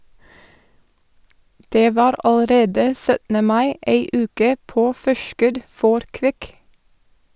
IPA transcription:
ˈdeː ˈʋɑːɾ ɑləˈɾeːdə ˈsœtn̩ə ˈmɑɪ ˈeɪ ˈʉːkə ˈpoː ˈfɔʃkʉd ˈfɔɾ ˈkʋɪk

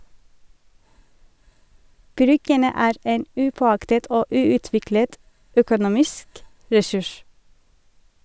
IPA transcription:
ˈbɾʏɡənə ˈæːɾ ˈeːn ˈʉːpɔˌɑktət ˈoː ˈʉːʉˌtʋɪklət ˈœkʊˌnuːmɪsk ɹɛˈsʉʃ

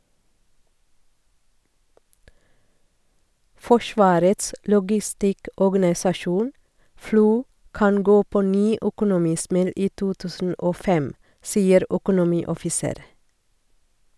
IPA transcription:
ˈfɔʃʋɑːɾəts lɔɡɪˈstɪkɔɡɑnɪsɑˌʃuːn ˈfluː ˈkɑn ˈɡoː pɔˈnyː œkʊnʊˈmiːˌsmɛl ˈiː ˈtuː ˈtʉːsn̩ ˈʔoː ˈfɛm ˈsiːəɾ œkʊnʊˈmiːɔfɪˌseːɾ

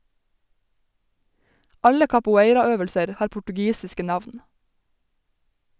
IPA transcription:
ˈɑlə kɑpʊˈeɪɾɑˌøːʋəlsəɾ ˈhɑːɾ pʊʈʉˈɡiːsɪskə ˈnɑʋn

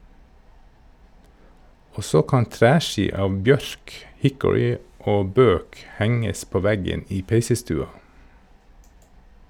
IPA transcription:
ˈoː ˈsoː ˈkɑn ˈtɾæːˌʃiː ˈɑːʋ ˈbjœɾk ˈhɪkʊɹɪ ˈoː ˈbøːk ˈhɛŋəs ˈpoː ˈʋæɡən ˈiː ˈpeɪsəˌstʉːɑ

